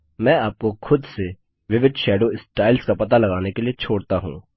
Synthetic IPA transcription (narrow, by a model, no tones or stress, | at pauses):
mɛ̃ːaːp̚koxʰʊd̪se | ʋɪʋɪd̪ʱʃɛːɖoːɪsʈaːɪlskapɐt̪alɐɣaːnekeliet͡ʃʰoːɽt̪aɦṵ̃ː